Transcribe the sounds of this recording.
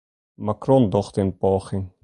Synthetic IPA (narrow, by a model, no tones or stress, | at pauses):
makrɔndɔχt̪ɪnpɑːχɪŋ